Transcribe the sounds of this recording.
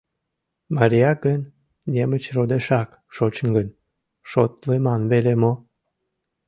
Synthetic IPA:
mɑɾʲijɑkənːʲ | emət͡ɕrod̪eʃɑk | ʃot͡ɕəŋɡənʲ | ʃot̪lemɑnβelemo

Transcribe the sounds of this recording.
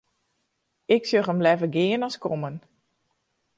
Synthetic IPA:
ɪksjøχəmlɛvəɡɪːənɔskɔmən

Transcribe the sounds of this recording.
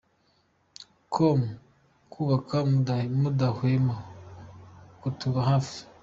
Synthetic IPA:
kʰom | kʰuβakamudahwema | kutuβaɦafi̥

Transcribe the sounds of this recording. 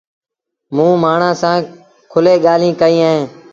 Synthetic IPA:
mũːmaːɳãːsãː | kʰʊleːɠaːlĩːkəĩːaːɦẽː

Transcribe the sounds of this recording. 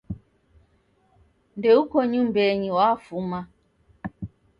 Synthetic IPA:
ndɛukɔɲumbɛɲiwafuma

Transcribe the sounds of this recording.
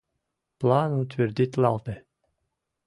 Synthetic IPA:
plˠaːnut̪ʲvʲɪɾd̪ʲit̪ʲlˠalt̪e

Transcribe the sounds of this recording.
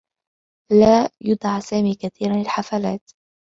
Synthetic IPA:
laːjʊd̪ˤʕɑsaːmiːkaθiːɾanlɪlħafalaːt̪

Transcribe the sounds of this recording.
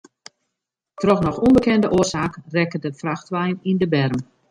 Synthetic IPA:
trɔxnɔxunbəkɛndəʔoːərsaːkrɛkədəfraxtʋɛjnindəbɛrm

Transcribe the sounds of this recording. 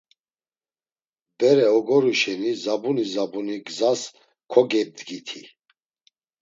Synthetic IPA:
bɛɾɛɔɡɔɾiʃɛnizabunizabuniɡzas | kʰɔɡɛd̪ɡit̪ʰi

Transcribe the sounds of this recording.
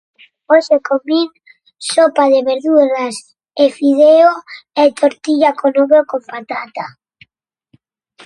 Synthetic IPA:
osekomiŋ | sopaðeβeɾðuɾas | efiðeoet̪ʰoɾt̪iʎakonoβokompat̪at̪a

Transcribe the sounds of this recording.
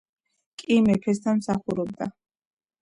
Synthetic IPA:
kʼimɛpʰɛs̬t̪ʰanmsaχuɾɔb̚d̪a̰

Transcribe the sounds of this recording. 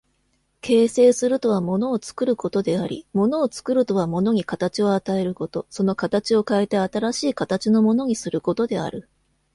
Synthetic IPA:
kʰe̞ːse̞ːsɨɾɯ̟t̪o̞β̞amo̞no̞ːt͡sɨ̥kɯ̟ɾɯ̟ko̞t̪o̞d̪e̞aɾʲḭmo̞no̞ːt͡sɨ̥kɯ̟ɾɯ̟t̪o̞β̞amo̞no̞ɲ̟ikat̪at͡ɕio̞at̪ae̞ɾɯ̟ko̞t̪o̞so̞no̞kat̪at͡ɕio̞kaet̪e̞at̪aɾaɕiːkat̪at͡ɕino̞mo̞no̞ɲ̟isɨɾɯ̟ko̞t̪o̞d̪e̞a̰ɾɯ̟

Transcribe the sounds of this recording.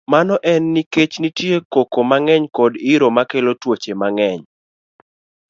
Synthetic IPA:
manɔʔɛnːiket͡ʃnitjekokomaŋɛɲkɔdɪɾomakelotwot͡ʃemaŋɛɲ

